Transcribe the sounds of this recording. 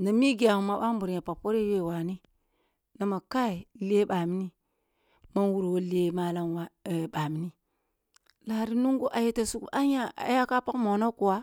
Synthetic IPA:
na˨mi˦ɡi˨a˨hu˨ma˨ɓa˦mbu˨ɾja˨pa˨po˦ɾe˦je˦˨wa˨ni˦ | na˨ma˨ka˦i˨le˦ɓa˨mi˦ni˦ | ma˦nwu˨ɾwo˨˦le˨ma˨la˦nwa˨ɓa˨mi˦ni˦ | la˨ɾi˦nu˦ŋɡu˦ʔa˨je˦ta˨su˦ka˦ɲa˦a̰˨˦ja˦ka˦pa˦kmo˨no˦ku˨wa˦

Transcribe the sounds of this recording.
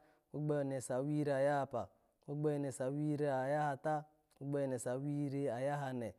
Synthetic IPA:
u˦ɡ͡be˦˨ne˨sa˨˦wi˦ɾe˨a˨ja˦a˨pa˨ | o˦ɡ͡be˦˨ne˨sa˨wi˦ɾe˦a˨ja˦ha˨ta˦ | u˦ɡ͡be˦˨ne˨sa˨˦wi˦ɾe˦a˨ja˦ɦa˨nɛ˨

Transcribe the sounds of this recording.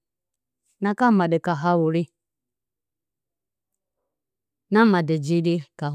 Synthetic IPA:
na˦ka˦˨ma˨dɛ˨ka˨ɦa˦wu˨ɾi˦ | na˦ma˨de˨d͡ʒi˦di˦ka˨

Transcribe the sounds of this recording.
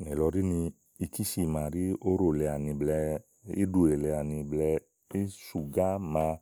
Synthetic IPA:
nɛ˨lɔ˧ɾi˦nĩ˧ | i˧ki˦ʃi˧˨mã˧˨ɾi˦o˦ɾo˨lɛ˧a˨nĩ˧blɛ˧ | ḭ˦du˧˦e˨lɛ˧a˨nĩ˧blɛ˧ | i˦su˨ɡa˦mã˧

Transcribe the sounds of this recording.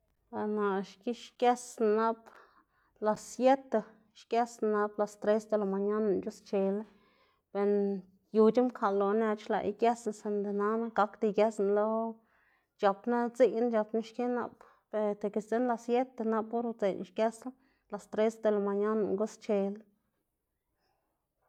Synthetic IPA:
a˨na˨ʃki˦ʃkʲje˦sna˦b | la˧sje˦t̪e˧ | ʃkje˦sna˧na˧˦bla˧st̪ɾe˦sd̪e˧la˨ma˨ɲa˦na˨nt͡ʃu˦st͡ʃe˨l | be˧n | ju˧t͡ʃi˦mkʰa˨lo˨ne˧t͡ʃla̰˧˨ʔḭ˧kje˦sn˧se˧nd̪e˨na˧˦na˦ɡa˦kd̪i˧ɡja˦snlo˦ | t͡ʃa˨pna˦t͡si˦jnd͡ʒa˧pna˦ʃkʲe˦na̰˧˨p | be˧t̪e˨ke˧˨st͡s̪e˦nla˧sje˦t̪e˧na˧bo˦ɾt͡se˨n˧ʃkje˦sa˦ | la˨st̪ɾe˦sd̪e˧la˨ma˨ɲa˦na˨ŋɡu˦st͡ʃe˧l

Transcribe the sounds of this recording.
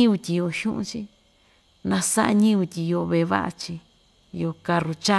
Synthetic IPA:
u˧t̪ʲi˧jo˧ʃũ˦ʔṵ̃˧t͡ʃi˦ | nã˧sa̰˦ʔa̰˧ɲĩ˦u˧t̪ʲi˧jo˧βe˧˨˧βa̰˦ʔa̰˧t͡ʃi˧ | jo˧ka˧ɾu˧t͡ʃa˦

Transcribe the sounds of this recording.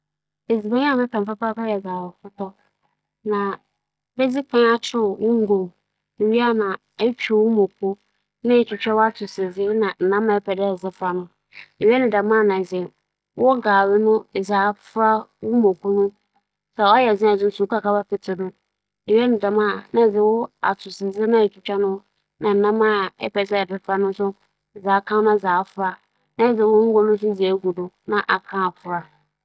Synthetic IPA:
e˨d͡zi˨bã˦ɲ˦a˦˨mɪ̃˦pʰɛ˨fa˦pa˦ka˦jɛ˨ɡaː˨wɔ˨kʊ˦tʰɔ˦ | nã˨ | bɛ˦d͡zi˦kʰã˦a˦t͡ɕʰᶣɪ˦˨wʊ˦ŋ̩˦ɡo˨ | e˨ɥi˦a˦nã˨ | ɛ˦t͡ɕᶣɛ˦˨wʊ˦mõ˨kʰʊ˦ | nã˦ɛ˨t͡ɕᶣɪ˨t͡ɕᶣɛ˦wa˦tʰʊ˨sɪ˨d͡zɪ˦nã˨n̩˨nã˦mã˨ɛ˦pʰɛ˨dɛ˦ɛ˨zɪ˦fɾa˨nʊ̃˦ | e˨ɥɛ˦nɪ̃˨da˨mã˦˨nã˨d͡zɛ˨ | wʔɔ˦ɡaː˨wɪ˦nʊ̃˦˨zaː˨fa˦wʊ˦mõ˨kʰu˦nʊ̃˦ | sa˨ɔ˦jɛ˨zɪ̃˦a˨d͡zɪ˦n̩˦su˨˦kʰa˨kʰa˦ba˦pɪ˨tʰɪ˨nʊ̃˦ | e˨ɥɛ˦nɪ̃˨da˨mã˦˨nã˦˨d͡zɪ˦wʊ˦a̰˨tʰʊ˨sɪ˨zɪ˦nã˦ɛ˨t͡ɕᶣi˨t͡ɕᶣa˦nʊ̃˦ | nã˨n̩˨nã˦mã˦˨ɛ̰˦pʰɛ˨dɪ˦ɛ˨dɪ˦fɾa˦nʊ̃˦sʊ˦˨ | zaː˨˦kʰã˦nʊ̃˦˨zaː˨˦fʊ˦a˦ | nã˦˨d͡zɪ˨wʊ̃˦ŋ̩˦ɡɔ˦nʊ̃˦s̬ʊ˦d͡zi˨e˨˦ɡu˨dʊ˨ | nã˨ʔa˨kʰã˦a˨pʰʊ˨ɾa˦˨

